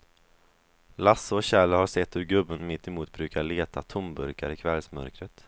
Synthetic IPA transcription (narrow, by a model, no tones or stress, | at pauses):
lasːɔɕɛlahaɾsɛt̪ːhɵɾɡɵbːənmɪt̪ːɪmuːt̪̚bɾʉ̟ːkaɭeːt̪ʰat̪ʰʊmbɵɾkaɾɪkʰvɛlsmœ̰ɾkɾət̪